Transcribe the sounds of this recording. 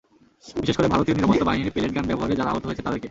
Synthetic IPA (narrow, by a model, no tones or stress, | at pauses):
biʃeʃkoɾebʱaɾot̪ioniɾapot̪ːobaɦiniɾpeleʈ̚ɡanbɛboɦaɾed͡ʑaɾaa̰ɦot̪oɦoet͡ɕʰet̪ad̪eɾke